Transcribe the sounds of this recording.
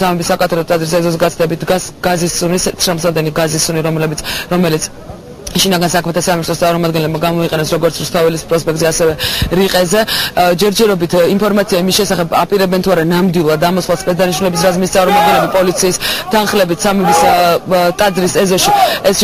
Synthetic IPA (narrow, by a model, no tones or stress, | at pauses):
samɛbisːakʼat̪ʰɛdɔt̪ʼad̪zɾisɛzɔzɛɡat̪ʰd̪ɛbit̪̚ɡasɡ̥azisunisɛt̪sʰɾamsad̪ɛniɡazisːuniɾɔmlɛbit̪sʰɾɔmɛlit̪sʰ | ʃinaɡansakʰmɛt̪ʰasaminist̪ɾɔst̪ʼaɾmɔmad̪ɡɛnlɛbmaɡamɔiqʼɛnɛsɾɔɡɔɾt̪sʰɾust̪ʰavɛlispʼɾɔspʼɛk̚t̪ziɛasɛvɛɾiqʼɛzɛd͡ʒɛɾd͡ʒɛɾɔbit̪ʰimpʰɔɾmat̪sʰiaimisʃɛsaχɛbapʼiɾɛbɛnt̪ʰuaɾanamd̪wilˠad̪ːamɔslˠaspɛt̪̚d̪aniʃnulɛbisɾazmist̪sʼaɾmɔmad̪̚ɡɛnlɛbipʼɔlit̪sʰiːst̪ʰanχlɛbit̪samɛbis | t̪ʼad̪zɾisɛzɔʃiɛs